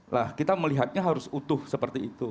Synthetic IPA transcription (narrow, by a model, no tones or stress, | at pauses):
lahkit̪aməliɦat̪̚ɲaɦaɾʊsut̪ʊhsəpərt̪iːt̪u